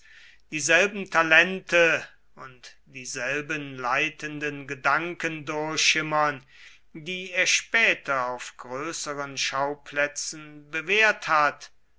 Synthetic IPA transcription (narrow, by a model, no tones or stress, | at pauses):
d̥iːzɛlbm̩tʰalɛntʰə | ʊnt | d̥iːzɛlbənlaɪtəndənɡədaŋkəndʊɐçʃɪmɐn | diːeːɐʃpɛːtɐaʊfɡ̥ʁøːsəʁənʃaʊpʰlɛt͡sn̩bəveːɐthat